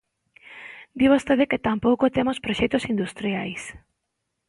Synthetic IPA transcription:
d̪iβ̞ost̪eðeket̪ampowkot̪emospɾoʃɛk̚t̪osind̪ust̪ɾiajs

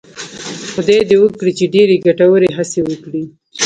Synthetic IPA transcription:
xd̪ajd̪ewəkɽit͡ʃeɖeɾeɡaʈawəɾeɦasewəkɽi

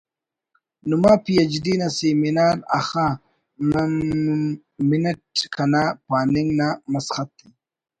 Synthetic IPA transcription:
numaːpijɐd͡ʒdinaseminaːɾa̰xa | m | minɐʈkʰanapaːnɪŋnamasxat̪̚d̪i

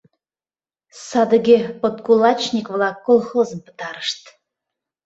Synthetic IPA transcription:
sɑd̪əɣʲepot̪kulɑt͡ɕnʲikvlɑkːolˠxozəmpə̥t̪ɑɾəʃt̪

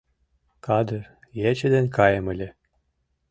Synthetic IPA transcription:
kɑd̪ə̆r | jet͡ɕɘ̆d̪enkɑjɤ̆mɘ̆lʲĕ

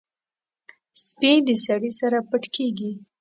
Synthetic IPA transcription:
spid̪əsaɽisaɾapəʈkeɡi

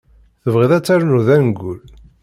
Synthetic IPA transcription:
θəvʁiðæt͡sːæɾnuðænɡul

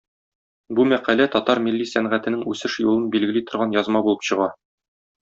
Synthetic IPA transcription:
bumæqælæt̪ɒt̪ɑɾmilːisæɴʁæt̪ɘ̆nɘŋʉsɘʃjulˠɤnbilɡɘ̆lit̪ŏɾʁɑnjɒzmɑbulˠɤpɕɤ̆ʁɑ

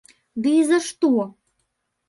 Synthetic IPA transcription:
d̪izə̆ʃt̪u

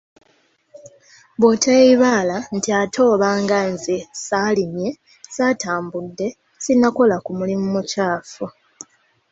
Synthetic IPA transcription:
βotʰaeiβaːlantiatʰo̞ːβaːŋɡanzesalimje̞ | sataːmbudːe̞ | sinako̞lakumulimumucaːfu

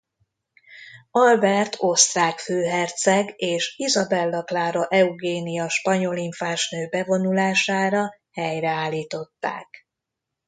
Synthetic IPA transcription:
ɒlbɛrt̪ʰo̞st̪raːkføːɦɛrt̪sɛɡeːʃizɒbɛlːɒklaːɾoʔɛuɡeːnijɒʃpɒɲo̞liɱfaːʃnøːbɛvo̞nulaːʃaːɾɒ | hɛjrɛaːlːiːt̪o̞t̪ːa̰ːk

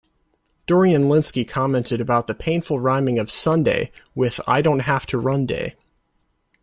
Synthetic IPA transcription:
d̥ɔɹiɨ̃nlɪ̃nskikʰɑmɛ̃ntɨɾɨbaʊt̪̚ðɨpʰẽɪ̃nfl̩ˠɹãɪ̃mɪ̃ŋʌv̥sʌ̃ndḛɪwɪð̥a̰ɪɾõʊ̃nt̚ɦæftʰɨɹʌ̃ndḛɪ

